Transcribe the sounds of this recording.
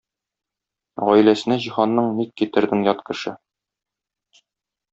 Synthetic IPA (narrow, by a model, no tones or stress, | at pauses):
ʁɒjlæsɘ̆næʑiχɑnːɤɴmikːit̪ɘ̆ɾd̪ɘŋjɒt̪kɘ̆ʃɘ